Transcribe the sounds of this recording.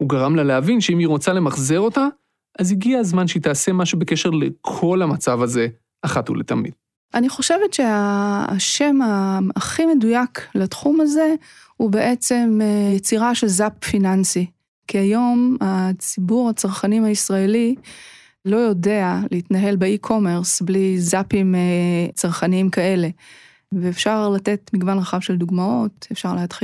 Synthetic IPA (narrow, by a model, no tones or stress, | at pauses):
huɡaʁamlaleavinʃeimiʁo̞t͡sale̞maχzeʁo̞t̪a | ʔaziɡiazmanʃeit̪aːse̞maʃubekeʃe̞ʁlekʰo̞lamat͡savaze̞ | aχathṵlḛt̪amḭd̥ | ʔaniχo̞ʃe̞vetʃe̞aʃe̞maaχime̞dujaklatχumaze̞ | hube̞ʔet͡se̞mjet͡siʁaʃelzapfinansi | kiajo̞mat͡sibuʁhat͡saʁχanimaisʁaeli | lo̞jo̞de̞aleitnaɦe̞lbeikʰo̞me̞ʁsblizapimt͡saʁχaniimkae̞le̞ | veːfʃaʁlate̞tmiɡvanʁaχavʃe̞lduɡmao̞tefʃaʁleadχi